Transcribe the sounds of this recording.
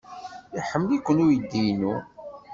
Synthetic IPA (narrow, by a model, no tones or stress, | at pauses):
iħəmːəlikʷːənʊɾjəd̪ːijnu